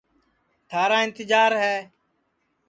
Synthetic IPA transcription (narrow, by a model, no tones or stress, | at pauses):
t̪ʰaːɾaːɪnt̪ɪd͡ʒaːɾɦɛː